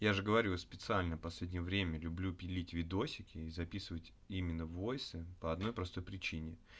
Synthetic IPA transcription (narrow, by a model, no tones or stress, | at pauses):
jaʐɨɡəvɐɾʲuspʲɪt̪sɨalʲnəpɐslʲedʲnʲɪjəvɾʲemʲəlʲʊblʲupʲɪlʲitʲvʲɪd̪o̞sʲɪkʲɪizɐpʲisɨvətʲ | imʲɪnːəvojsɨpəɐd̪no̞jpɾɐst̪o̞jpɾʲɪt͡ɕinʲɪ